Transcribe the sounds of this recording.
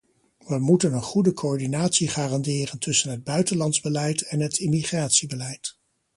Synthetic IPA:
ʋəmutənənχudəkʰoɔɹdinaːtsiχaːrɑndɪːrəntɵsənɦəd̚bœɥtənlɑnzbəlɛjtʰɛnɦətʰɪmiχraːtsibəlɛjt

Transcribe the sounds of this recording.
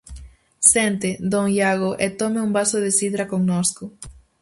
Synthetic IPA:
sent̪ɪd̪oŋjaɣoʔet̪omeumbasoðɪsiðɾakoŋnoskʊ

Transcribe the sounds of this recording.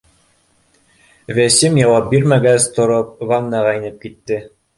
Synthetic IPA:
væsɘmjɑwɑp̚biɾmæɡæst̪ŏɾop̚vaŋnɑʁɑĭnɘp̚kit̪ːɘ

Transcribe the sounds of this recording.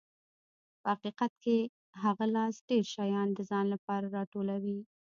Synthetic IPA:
pəhaqiqat̪ke | ɦaɣalɑsɖ̥eɾʃɑjɑnd̪əzɑnlapɑɾaɾɑʈolawi

